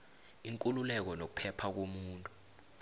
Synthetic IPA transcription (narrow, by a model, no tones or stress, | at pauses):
iŋkʼululɛk̬ɔnok̬u̥pʰɛpʰak̬omuːntʼu̥